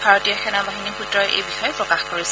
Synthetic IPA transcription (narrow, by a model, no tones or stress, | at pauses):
bʱaɹotijakʰɛnabaɦinikʰutɹɔjʔḛjbixɔjɛpɹɔkaxkoɹisɛ